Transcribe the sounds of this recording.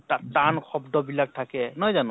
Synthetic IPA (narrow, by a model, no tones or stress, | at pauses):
atankʰɔbdɔbilak̚tʰakɛnɔjzanu